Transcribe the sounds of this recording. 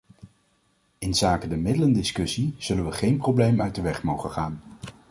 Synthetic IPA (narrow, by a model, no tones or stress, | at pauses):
ɪnzaːkədəmɪdələndɪskɵsiz̥ɵlənʋəχejnprowblejmœɥt̚dəʋɛχmowχəχaːn